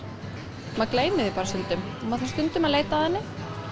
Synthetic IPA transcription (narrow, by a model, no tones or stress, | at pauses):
maðkleːjmɪðɪpaːɾasʏnt̪ʏmmaðθanst̪ʏnt̪ʏmaðleːjt̪aðɛnːɪ